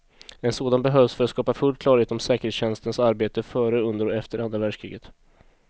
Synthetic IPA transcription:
ɛnsoːd̪anbɛɦœːvsfœɾat̪skɑːpafɵlːkʰlɑːɾheːt̪ɔmsɛːkəɾhet̪sɕɛnst̪ənsaɾbeːt̪əfœːɾəɵnd̪əɾɔɛft̪əɾand̪ɾavæɖʂkʰɾḭːɡət̪

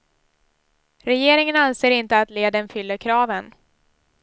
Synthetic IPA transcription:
ɾɛjeːɾɪŋənanseːɾɪnt̪əat̪leːd̪ənfʏlːəɾkʰɾɑːvən

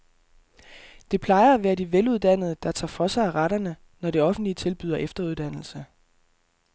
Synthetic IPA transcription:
d̥e̝pʰlɑ̈ɪɐæʋæːɐdiʋeluð̞ˠd̥æn̰ð̞̩ˠəd̥ɑ̈t͡sʰɑ̰̈ːfɒ̽sɑɪæʁaɾ̥ɐnə | nɒɾ̥e̝ɒ̽fn̩d̥liət͡sʰe̝lb̥yð̞ˠɐʔefd̥ɐuð̞ˠd̥æn̰l̩sə

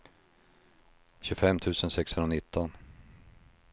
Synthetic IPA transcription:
ɕɵfɛmːt̪ʰʉ̟ːsənsɛkshɵnɾanɪt̪ːɔn

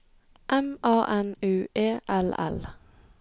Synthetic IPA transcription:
ʔɛmʔɑːʔɛnʉːʔeːʔɛlɛ̰l

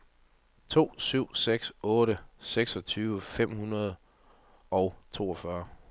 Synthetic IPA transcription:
t͡sʰo̝̰ːsyʊ̰seɡ̥sɔ̽ːɾəseɡ̥sɒ̽t͡sʰyːʋəfem̰hunɐð̞ˠ | ɒʊt͡sʰo̝̰ːɒ̽fɶɐ

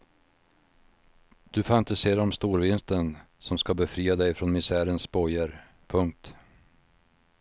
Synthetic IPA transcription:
d̪̥ɵfant̪ɪseːɾaɔmst̪uːɾvɪnst̪ən | sɔmskabɛfɾiːad̪ɛjfɾɔnmɪsæːɾənsbɔjəɾ | pʰɵŋk̚t̪

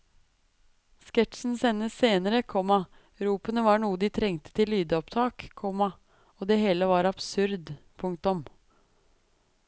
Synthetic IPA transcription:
skɛʈʃn̩sɛnːəseːnəɾəkʰɔmɑ | ɾuːpənəʋɑɳuːəd̪ɪt̪ʰɾɛŋt̪ə̥t̪ʰɪlːyːd̪əɔpt̪ʰɑːkʰːɔmɑ | ɔd̪eːɦeːləʋɑɾɑb̥sʉɾd̪pʰʊŋkt̪ʊm

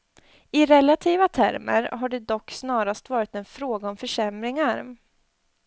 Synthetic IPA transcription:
ɪɾɛlat̪ʰiːvat̪ʰæ̰ɾmə̰ɾɦaɖɛd̪ɔkːsnɑːɾast̪vɑːɾɪt̪ɛnfɾoːɡaɔmfœʂɛmɾɪŋaɾ

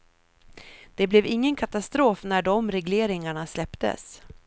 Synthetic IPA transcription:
d̪̥ɛblɛvɪŋːənkʰat̪ast̪ɾoːfnæɖɔmɾɛɡleːɾɪŋaɳaslɛpt̪ə̰s

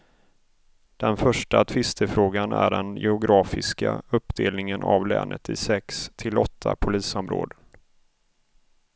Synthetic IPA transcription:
d̪̥ɛnfœʂʈat̪ʰvɪst̪ʰəfɾoːɡanæɖɛnjɛʊɡɾɑːfɪskaɵpːd̪eːlnɪŋənʔavlɛːnʔət̪ɪsɛkst̪ʰɪlɔt̪ʰːapʰʊliːsɔmɾo̰ːd̪ə

